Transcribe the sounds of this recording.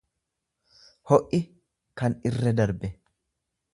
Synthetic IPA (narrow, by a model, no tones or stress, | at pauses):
hɔʔːɪ | kɐnɪrːɛd̪ɐɾbɛ